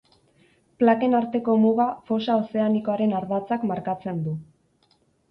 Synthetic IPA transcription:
plake̞naɾt̪e̞ko̞muɣafo̞sao̞se̞aniko̞aɾe̞naɾðat͡sakmaɾkat͡se̞nd̪u

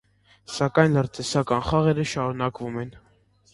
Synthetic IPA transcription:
sɑkɑjnləɾt̪ɛsɑkɑnχɑʁɛɾəʃɑɾunɑkvumɛn

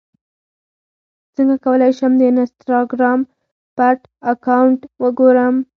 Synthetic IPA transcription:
t͡səŋɡakawəlɑjʃəmd̪ənast̪ɾoɡɾɑm | paʈ | akawɳʈwəɡoɾəm

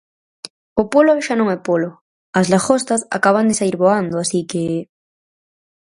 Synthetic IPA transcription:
opoloʃanõŋɛpolo | ɐzlaxost̪asa̰kaβ̞and̪esaiɾβoand̪oasike

